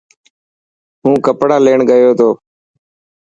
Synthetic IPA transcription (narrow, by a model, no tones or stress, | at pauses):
ɦũːkəpɽaːleːɳɡəjoːt̪ʰoː